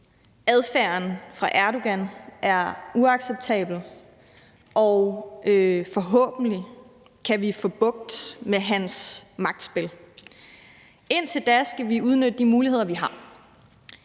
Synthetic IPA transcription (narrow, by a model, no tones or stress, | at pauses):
æð̞ˠfæɐ̰nfʁɑ̈ʔæɐɾo̝ɡ̥ænʔæɐuɑ̈ɡ̥seb̥̚t͡sʰɛ̰ːb̥l̩ | ʔɒʊøfɒ̽ɦɔ̰̽ːb̥n̩li | kʰæʋifɒ̽b̥ɔ̽ɡ̥̚d̥meɦænsmɑ̈ɡ̥̚d̥sb̥e̝l | e̝n̰t͡sʰe̝ld̥æsɡ̥æʋiuð̞ˠnød̥əd̥imuːlihe̝ð̞̰ˠɐʋiɦɑ̈